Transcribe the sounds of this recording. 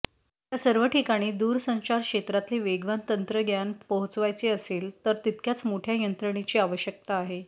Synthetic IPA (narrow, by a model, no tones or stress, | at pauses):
jasəɾʋəʈikaɽ̃iːd̪uːɾsə̃ɲt͡ɕaɾkʂet̪ɾat̪leʋeɡʋant̪ənt̪ɾəɡjanpəɦt͡sʋajt͡seəseːlt̪əɾt̪it̪̚kjat͡smoʈʰjajənt̪ɾəɽ̃it͡ɕiːaʋəɕjək̚t̪aːɦe